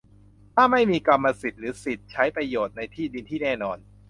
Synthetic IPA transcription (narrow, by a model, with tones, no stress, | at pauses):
t̪ʰaː˥˩ma˥˩jmiː˧ka˧mːa˧si˨˩t̪̚ɾɯː˩˦si˨˩t̪̚t͡ɕʰa˦˥jpɾa˧joː˨˩t̪̚na˧jt̪ʰiː˥˩di˧nt̪ʰiː˥˩nɛː˥˩nɔː˧n